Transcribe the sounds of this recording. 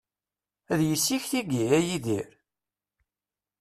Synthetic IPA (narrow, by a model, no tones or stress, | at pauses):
æðjəsːiçθiɡiæjiðiɾ